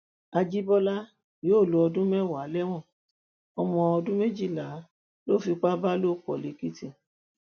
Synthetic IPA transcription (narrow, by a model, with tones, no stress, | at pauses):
a˧d͡ʒi˦bɔ˦la˦ | joː˨˦˨lo˨˦ɔ˧dũ˦mɛ˦˨wa˨˦lɛ˦w̃ɔ̃˦˨ | ɔ˧mɔ̃˧ɔ˧dũ˦me˦d͡ʒi˦˨la˨˦ | lo˦˨fi˧k͡pa˦ba˦lo˦˨k͡pɔ̰˨le˨˦ki˦tĩ˦˨